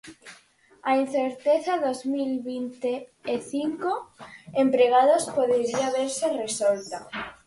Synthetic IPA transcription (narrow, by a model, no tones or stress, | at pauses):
ain̟θeɾt̪eθaðozmilβint̪eːθiŋkoempɾeɣ̞aðospoðeɾiaβeɾseresolt̪a